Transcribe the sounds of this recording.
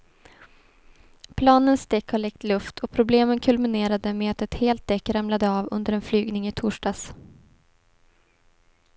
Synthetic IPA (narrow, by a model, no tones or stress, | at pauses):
pʰlɑːnənst̪ɛkːhɔɭɛk̚t̪lɵft̪ʰɔpʰɾʊbleːmənkʰɵlmɪneːɾad̪əmeːat̪ɛt̪heːlt̪̚d̪ɛkːɾamlad̪əɑːvɵ̰nd̪əɾɛnflyːɡnɪŋɪt̪ʰʊːʂɖɑːs